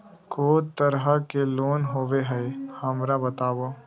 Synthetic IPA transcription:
koːt̪əɾɦakeloːnɦoːʋeɦɛhɐmɾabɐt̪aːʋo

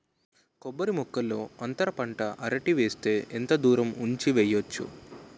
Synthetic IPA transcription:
kɔbːɐɾimɔkːɐlːo̞ːɐnt̪ɐɾɐpɐɳʈɐʔɐɾɐʈiʋeːst̪e̞ːʔent̪ɐd̪uːɾɐmuɲt͡ʃiʋɛjːot͡ʃːṵ

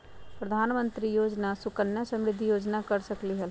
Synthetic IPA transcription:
pɾɐd̪ʱaːnmə̃nt̪ɾijoːd͡ʒnasʊkənjəsɐ̃mɾɪd̪ʱːijoːd͡ʒnakəɾsɐkliɦɛl

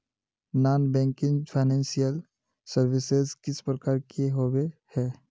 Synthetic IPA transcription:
naːnbɛ̃ːŋkɪ̃ŋpʰaɪnɛ̃ːnsijəl | səɾwɪsezkɪspɾəkaːɾkeɦowehɛː

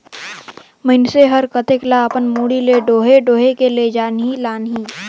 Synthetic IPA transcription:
məɪnseɦəɾkət̪eklaəpənmuːɽileɖoːɦeɖoːɦekeled͡ʒaːnɦilaːnɦi

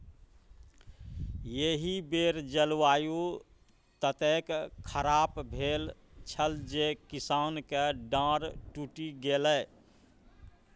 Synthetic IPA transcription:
jeɦibeɾd͡ʒəlwaːju | t̪ət̪ekkʰəɾaːpbʱeːl | t͡ʃʰəld͡ʒekisaːnkeɖãɾʈuʈiɡelə

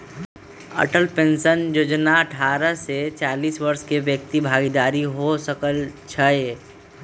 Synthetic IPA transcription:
ə̰ʈəlpẽnsənjoːd͡ʒnaəʈʰaːɾəset͡ʃaːliːswəɾskeʋjək̚t̪ibʱaːɡid̪aːɾiɦosəkəlt͡ʃʰəe

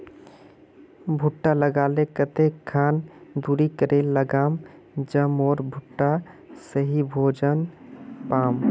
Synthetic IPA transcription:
bʱʊʈːaləɡaːlekət̪ekʰːaːnd̪uːɾikəɾeːlːəɡaːm | d͡ʒəmɔːɾbʱʊʈːa | səɦibʱoːd͡ʒənpaːm

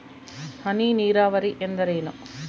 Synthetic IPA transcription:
hɐniːniːɾaːʋɐɾiʔend̪ɐɾɐjnɐ̰

